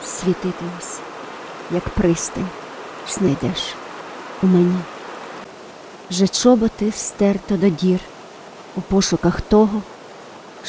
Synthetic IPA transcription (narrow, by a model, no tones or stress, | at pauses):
sʲʋʲit̪ɪt̪ɪmʊsʲɐ̥ | jɐkpɾɪst̪ɐnʲ | snɐjd̪ɛʃ | umɛnʲi | ʒɛt͡ʃɔbɔt̪ɪwst̪ɛrt̪ɔd̪ɔdʲir | upɔʃʊkɐxt̪ɔɦɔ